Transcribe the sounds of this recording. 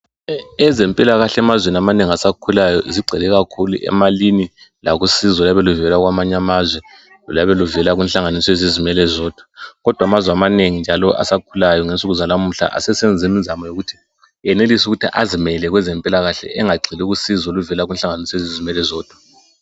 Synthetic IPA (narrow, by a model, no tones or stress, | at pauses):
ɛzɛmpʼilaɣaɬɛmazweniamaneŋiasakʰulajɔziɡ͡ǀʱɛlɛɣakʰulṵʔɛ̰malinilaɣusizɔlaβɛluvɛlaɣwamaɲamazwɛ | ɔlaβɛluvɛlaɣwɛnɬaŋanisɔezizimɛlɛzɔːd̥ʱḁɣɔd̥ʱwamazwɛamaneŋind͡ʒʱalɔʔa̰sakʰulajɔŋensʼuɣuzalamuɬa̰ʔa̰sɛsɛnd͡zʱimizamɔjoɣutʰi̥ | ɛnelisuɣutʰiʔazimɛlɛɣwɛzɛmpʼilaɣaɬɛ̰ʔɛŋaɡ͡ǀʱiluɣusizɔluvɛlaɣwɛnɬaŋanisɔezizimɛlɛzɔːd̥ʱwu̥